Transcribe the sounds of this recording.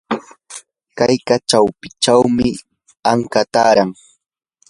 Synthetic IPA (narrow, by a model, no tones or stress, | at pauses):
kajkat͡ʃawpɪt͡ʃawmɪ | aŋkat̪aːɾaŋ